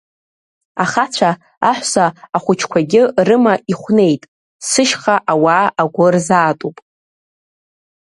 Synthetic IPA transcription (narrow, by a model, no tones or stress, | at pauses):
aχat͡ɕʷʰa | aħʷsaːχʷʊt͡ʃʰkʷʰaɡʲɪrɨmaiχʷne̞jtʼ | sɨʃχaʔawaːaɡʷʊrzaːtʼupʼ